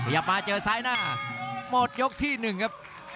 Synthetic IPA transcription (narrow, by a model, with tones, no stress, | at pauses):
kʰa˧˩ja˨˩p̚maː˧t͡ɕɤː˧saː˦˥jnaː˥˩mo˨˩t̪̚jo˦˥k̚t̪ʰiː˥˩nɯ˨˩ŋkʰa˦˥p̚